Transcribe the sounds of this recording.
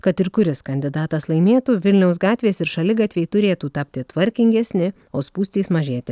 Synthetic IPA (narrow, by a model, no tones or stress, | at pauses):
kɐt̪ɪɾkʊɾʲɪskɐnʲd̪ʲɪd̪ɑːt̪ɐslˠɐɪmʲeːt̪uːʋʲɪlʲnʲɛʊs̬ɡɑːt̪ʲʋʲeːsɪɾʃɐlʲɪɡɑːt̪ʲʋʲeːjt̪ʊɾʲeːt̪uːt̪ɑpʲt̪ʲɪt̪ʋɐɾʲkʲɪŋʲɡʲɛsʲnʲɪ | oːspuːsʲt̪ʲiːsmɐʒʲeːt̪ʲɪ